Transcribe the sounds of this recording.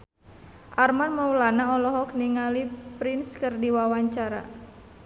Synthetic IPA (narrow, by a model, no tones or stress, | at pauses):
ʔarmanməwlanaɔlɔɦɔk̚niŋalipɾinskɨrdiwawaɲt͡ʃaɾa̰